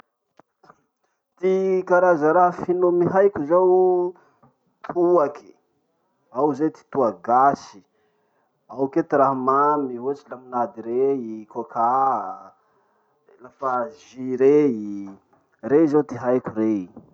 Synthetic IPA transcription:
t̪ikaɾazaɾaɦfinomiɦajkʲuzaw | t̪ʰuakʰi̥ | awzet̪i̥t̪uaɡasi̥ | awket̪iɾaɦmamiut͡ʃilaminad̪iɾeikokʰa | lafaʒiɾei | rezawt̪iɦajkuɾei

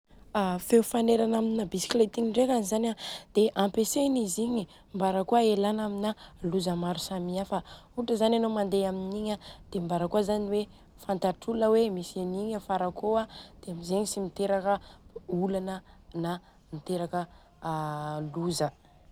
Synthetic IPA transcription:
afewfaneɾanaminabisi̥klet̪iŋiɳɖ͡ʐekanizanʲad̪̥eʔãmpeseniziɲi | mbaɾəkuaelanaminaluzəmaɾusamiafa | uʈ͡ʂəzananomand̪eaminiɲad̪̥embaɾəkuazaniwe | fant̪aʈ͡ʂuləwemiseniɲəfaɾakoad̪̥eamizeɲisimit̪eɾakəulanəna | mit̪eɾakə | luzə

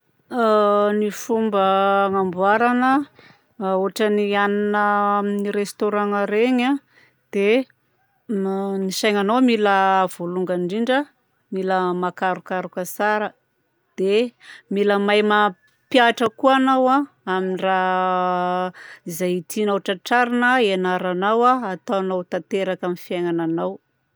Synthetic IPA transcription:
nifumbəŋambuaɾanə | uaʈ͡ʂənianinəmniɾest̪oɾaŋəɾeɲa | d̪̥e | niʃajŋanowmiləv̥oluŋɡaɳɖ͡ʐiɳɖ͡ʐə | miləmakaɾukaɾukəsaɾə | d̪̥emiləmajma | pjaʈ͡ʂəkuanawa | aminira | izajit̪ʰinauʈ͡ʂaʈ͡ʂaɾinəenaɾanawaːt̪aanawt̪at̪eɾakamifiajŋananaw

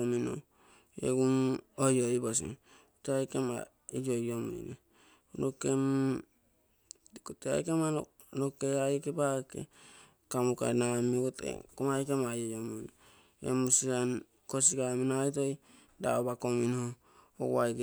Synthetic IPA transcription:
omino̰ | ḛɡumojoibasḭn | oteajkema̰ | ijojomo̰jne | nokem | kotea̰jkema | nokeajkebakḛ | kamuka̰namikotḛkomajkemajojomun | ḛmusian | kosiɡaminajtoj | da̰obakominho | o̰wajke

